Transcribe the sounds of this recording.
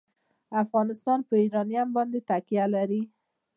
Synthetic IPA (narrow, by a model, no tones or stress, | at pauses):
afɣɑnɪst̪ɑnpəiɾɑniambɒnd̪et̪akijalaɾi